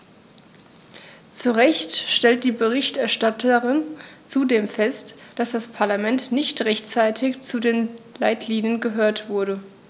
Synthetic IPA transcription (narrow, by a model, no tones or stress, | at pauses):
t͡suʁɛçtʃtɛlt̚d̥iːbəʁɪçtɛɐʃtatʰəʁɪnt͡sudeːmfɛstd̥asd̥aspʰaɐlamɛntnɪçtʁɛçt͡saɪtʰɪçt͡sudeːnlaɪtliːnjənɡəɦøːɐtv̥ʊɐɾə